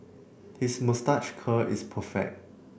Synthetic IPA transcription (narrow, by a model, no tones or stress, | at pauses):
hismustat͡ʃkʰəispʰəfɛ̰k̚t